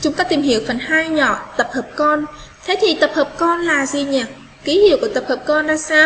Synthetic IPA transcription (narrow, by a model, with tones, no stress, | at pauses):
t͡ɕʊ˨˦ŋ͡mkɔː˨˦t̪i˨˩mhi˧˩əwfə˨˩nhaː˧jɲɔ̰˧˨t̪ə˨˩p̚həː˨˩p̚kɔ˧n | t̪ʰe˨˦t̪ʰi˨˩t̪ə˨˩p̚həː˨˩p̚kɔ˧nlaː˨˩zi˨˩ɲə˨˩t̚ | ki˨˦hḭ˧˩˨əwku˧˩ət̪ə˨˩p̚həː˨˩p̚kɔ˧nzaː˧saː˧w